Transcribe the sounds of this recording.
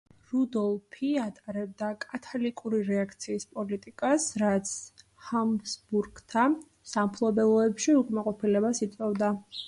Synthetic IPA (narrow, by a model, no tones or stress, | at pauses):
ɾud̪ɔlˠpʰiat̪ʼaɾɛb̚d̪akʼat̪ʰalikʼuɾiɾɛakʰt̪sʰiːspʼɔlit̪ʼikʼasɾat̪sʰ | hamsbuɾɡt̪ʰa | sampʰlˠɔbɛlˠɔɛpʃiukʼmaqʼɔpʰilɛbasit̪sʼɔvd̪a